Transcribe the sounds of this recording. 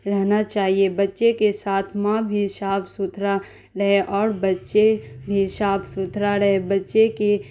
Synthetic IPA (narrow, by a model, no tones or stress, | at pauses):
ɾɛɦnat͡ʃaːɦiebɐtːʃekesaːt̪ʰmãbʱiʃaːpʰsʊt̪ʰɾa | ɾɐɦeʔɔːɾbɐtːʃebʱiʃaːpʰsʊt̪ʰɾaɾɐɦebɐtːʃeke